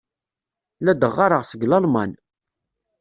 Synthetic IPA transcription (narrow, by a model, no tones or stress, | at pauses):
læd̪əʁːaɾˤəʁsəɡlɑlmɑ̰n